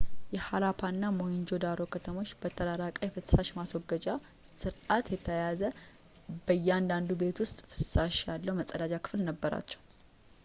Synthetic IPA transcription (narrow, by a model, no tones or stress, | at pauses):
jɛhalapʰanːamojɪnd͡ʒo̞d̪aɾo̞kʰət̪ʰəmo̞t͡ʃːbət̪ʰəɾaɾakʼəjfɨt̪saʃmaswɔɡːəd͡ʒa | sɨɾʔat̪jɛt̪ʰəjazə | bəjːɛand̪and̪ube̞t̪wʊst̪ʼfɨ̥t̪saʃjalːəwməsʼəd̪ad͡ʒakʰɨ̥flnəbːəɾa̰t͡ʃːɛ̥w